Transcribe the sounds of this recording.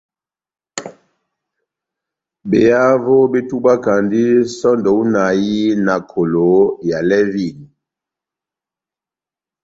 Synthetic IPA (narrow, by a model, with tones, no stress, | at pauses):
be˨ja˦vo˦be˦tu˦ba˦ka˨ndi˦sɔ˦ndɔ˨u˦na˨ji˦na˨kʰo˨lo˨˦ja˨lɛ˦vi˦˨ni˨